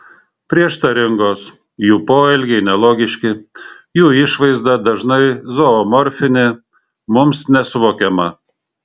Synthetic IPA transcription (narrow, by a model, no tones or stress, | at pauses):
pʲɾʲiɛʃt̪ɐɾʲɪŋɡoːs | juːpoːɪlʲɡʲɛɪnʲɛlˠoːɡʲɪʃʲkʲɪ | juːɪʃʋɐɪzd̪ɐd̪ɐʒnɐɪzoɔmɔɾʲfʲɪnʲɪ | mʊmsnʲɛsʊʋoːkʲɛmɐ